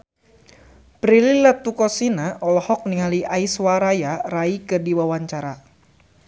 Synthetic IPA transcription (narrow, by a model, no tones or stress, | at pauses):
pɾililat̪ukɔsinaɔlɔhɔk̚niŋaliʔaiswaɾajaraikɨrdiwawaɲt͡ʃaɾa